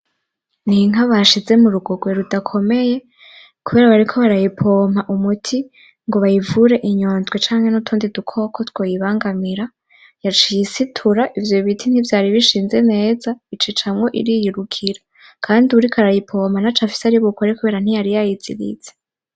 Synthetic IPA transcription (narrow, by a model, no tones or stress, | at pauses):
niŋ̥aβaʃize̞muɾuɡo̞ɡwe̞ɾudakʰo̞me̞je̞ | kuβe̞ːɾaβaɾikʰo̞βaɾajipʰoːmhaʔumutʰi | ŋɡo̞βajivuɾe̞ʔiɲo̞ːnzɡwe̞t͡ʃaːŋhe̞nutʰuːndidukʰo̞kʰo̞two̞ːjiβaːŋɡamiɾa | jat͡ʃijisitʰuɾaʔivjo̞βitʰin̥ivjaːɾiβiʃiːnze̞ne̞ːzait͡ʃit͡ʃamŋo̞ʔḭɾijiɾukʰiɾa | kʰaːndiuɾikʰaɾajipʰo̞ːmhanat͡ʃafi̥saɾiβukoaɾekuβe̞ːɾan̥ijaɾijajiz̥ḭɾḭz̥e